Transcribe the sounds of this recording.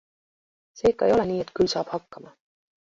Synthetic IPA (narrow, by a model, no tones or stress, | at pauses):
se̞ːkːˑɑejo̞leniːet̪kylsɑːb̥hɑkːɑmɑ